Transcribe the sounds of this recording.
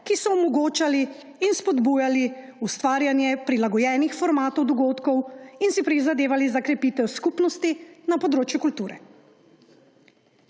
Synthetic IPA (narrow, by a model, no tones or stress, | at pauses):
kisɔɔmɔɡoːt͡ʃaliː | nspɔd̪buːjali | ust̪ʋaːɾjanjɛpɾilaɡɔjɛːnixfɔɾmaːt̪ɔwd̪ɔɡoːt̪kɔwinsipɾizad̪eːʋalizakɾɛpit̪ɛwskupnɔst̪inapɔd̪ɾoːt͡ʃjukult̪uːɾɛ